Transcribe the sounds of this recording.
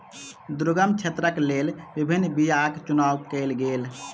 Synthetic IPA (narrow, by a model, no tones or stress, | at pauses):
d̪ɾuɡəmt͡ʃʰet̪ɾəklelbibʱinːbijakt͡ʃunawkɛlɡel